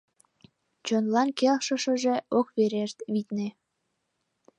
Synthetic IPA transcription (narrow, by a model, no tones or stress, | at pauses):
t͡ɕonlɑnkelʃə̆ʃə̆ʒe̽okβeɾeʃt̪βit̪ne